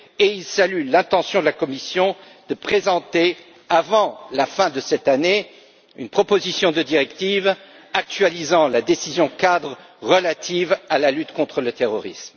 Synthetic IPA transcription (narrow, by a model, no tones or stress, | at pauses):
eilsalylɛ̃t̪ɑ̃sjɔ̃d̪əlakɔmisjɔ̃ | d̪̥əpχezɑ̃t̪e | avɑ̃lafɛ̃d̪əsɛt̪ane | ynpχɔpozisjɔ̃d̪əd̪iʁɛkt̪iv | ak̚t̪ɥalizɑ̃lad̪esizjɔ̃kad̪ʁ | ʁəlat̪ivalalyt̪kɔ̃t̪χələt̪eʁɔʁism